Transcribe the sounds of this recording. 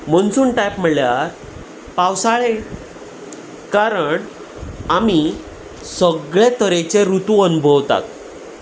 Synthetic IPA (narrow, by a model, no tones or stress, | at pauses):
m̤əɳsuːnʈajpm̤əɭɭjaɾ | pawsaɭe | kaɾəɳ | ami | səɡɭet̪əɾet͡ɕeɾut̪uənubʱəʋt̪a̰t̪̚